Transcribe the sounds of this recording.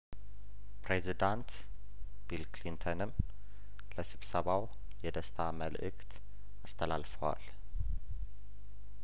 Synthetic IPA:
pɾezid̪ant̪ | b̥ilklint̪ʰonɨm | ləsɨβsəβaw | jɛd̪əst̪ʰaməlʔɨkt̪ | ast̪ʰəla̰lfəwa̰l

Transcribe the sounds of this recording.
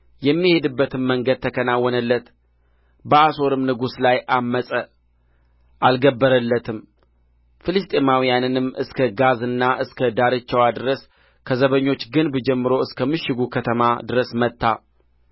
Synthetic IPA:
jɛmːihe̞d̪ɨbːət̪ʰɨmːəŋɡəd̪̚t̪ʰəkʰənawːɔnəlːət̪ | bəaso̞ɾɨmnɨɡuslajʔamːəsʼə | ʔalɡəbːəɾəlːət̪ʰɨm | fɨlɨst̪ʼemawijanɨnɨmːʔɨskʰəɡazɨnːaʔɨskʰəd̪aɾɨt͡ʃːəwad̪ɨɾəs | kʰəzəβəɲːo̞t͡ʃːɡɨnbd͡ʒɛmːɨɾo̞ɨskʰəmɨʃɪɡukʰət̪ʰəmad̪ɨɾəsmət̪ːa

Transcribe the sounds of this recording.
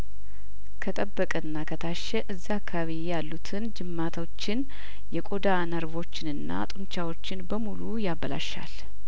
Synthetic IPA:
kʰət̪ʼəbːəkʼənːakʰət̪ʰaʃːɛʔɨzːiakːaβijalːut̪ʰɨnd͡ʒɨmːat̪ʰot͡ʃːɪn | jɛkʼo̞d̪anəɾβo̞t͡ʃːɪnɨnːa̰t̪ʼunt͡ʃawo̞t͡ʃːɪnbəmulujaβːəla̰ʃa̰l

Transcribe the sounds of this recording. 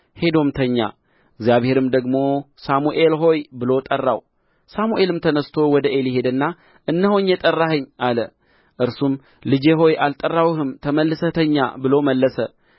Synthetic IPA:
he̞d̪o̞mt̪ʰəɲːa̰ | ɨɡzijaβhe̞ɾɨmd̪əɡmo̞ | samuʔe̞lɦo̞jbɨlo̞t̪ʼərːa̰w | samuʔe̞lɨmt̪ʰənəst̪ʰo̞wɔd̪əʔe̞lɪhe̞d̪ɨnːa | ʔɨnːɨhoɲːjɛt̪ʼərːahəɲːʔalə | ʔɨɾsum | lɨd͡ʒe̞ɦo̞jʔalt̪ʼərːawhɨmt̪ʰəməlːɨsət̪ʰəɲːa̰bɨlo̞məlːəsə

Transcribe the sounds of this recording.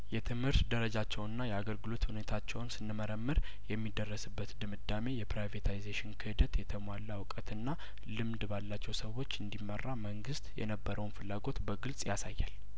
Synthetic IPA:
jɛt̪ʰɨmhɨɾt̪d̪əɾəd͡ʒat͡ʃːɛwɨnːajɛaɡəlɡɨlo̞t̪hune̞t̪ʰat͡ʃːɛwnsɨnːɨməɾəmːɨɾ | jɛmːid̪ərːəsɨbːət̪d̪ɨmɨd̪ːame̞jɛpɾajvet̪ʰajzeʃɪnkʰɨhɨd̪ət̪jɛt̪ʰəmwalːawkʼət̪ɨnːa | lɨmd̪balːat͡ʃːɛwsəwːo̞t͡ʃːɨnd̪imːərːaməŋɡɨst̪jɛ̰nəbːəɾəwnfɨlːaɡo̞t̪bəɡɨlsʼjasajːal

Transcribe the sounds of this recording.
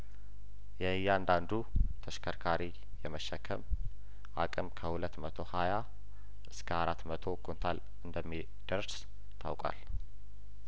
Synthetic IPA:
jɛɨjːaand̪and̪ut̪ʰəʃkʰəɾkʰaɾi | jɛməʃəkʰəm | ʔa̰kʼɨmkʰəhulət̪ːmət̪ʰo̞haja | ʔɨskʰəaɾat̪ːmət̪ʰo̞kʰont̪ʰal | ɨnd̪əmːi | d̪̥əɾs | t̪ʰa̰wkʼa̰l

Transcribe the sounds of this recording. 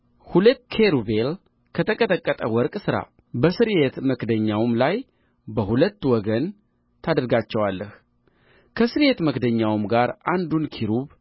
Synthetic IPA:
hulət̪ːkʰeɾubel | kʰət̪ʰəkʼət̪ʼəkʼːət̪ʼəwɔɾkʼsɨɾa̰ | bəsɨɾjet̪məkd̪əɲːawmlaj | bəhulət̪ːwɔɡən | t̪ʰad̪əɾɡat͡ʃːɛwalːəh | kʰəsɨɾjet̪məkd̪əɲːawmɡaɾʔand̪unkʰiɾuβ

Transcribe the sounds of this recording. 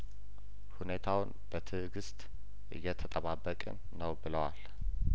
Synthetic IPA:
hune̞t̪ʰawʊn | b̥ət̪ʰɨɡɨst̪ʼ | ʔɨ̰jːɛt̪ʰət̪ʼəβabːəkʼə̰nːəwbɨləwal

